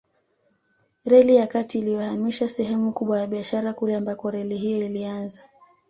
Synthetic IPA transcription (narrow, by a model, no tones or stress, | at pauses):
ɾɛlijakatiːlijahamiʃasɛɦɛmukuɓwajaɓiaʃaɾakulɛambakɔɾɛliɦijɔilianza